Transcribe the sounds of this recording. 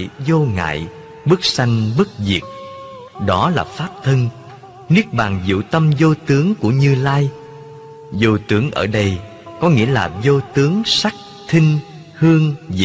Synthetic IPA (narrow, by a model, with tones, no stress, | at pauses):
jzo˧ŋa̰ː˧˨j | ɓɨ˦˥k̚sa˧jŋ̟ɓɨ˦˥k̚zḭ˨˩ək̚ | ɗɔ˨˦laː˨˩faː˦˥p̚t̪ʰə˧ŋ | ni˦˥ək̚ɓaː˨˩ŋzḭ˧˨t̪ə˧mzo˧t̪ɨ˨˦əŋku˧˩əɲɨ˧laː˧j | zo˧t̪ɨ˨˦əŋʔəː˧˩ɗə˧j | kɔ˨˦ŋḭ˧˥əlaː˨˩zo˧t̪ɨ˨˦əŋsa˦˥k̚ | t̪ʰï˧ŋ̟ | hɨ˧əŋzḭ˨